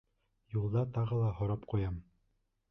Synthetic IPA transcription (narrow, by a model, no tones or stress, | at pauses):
julˠd̪ɑt̪ɑʁɤlˠɑɦŏɾɑpqujɑm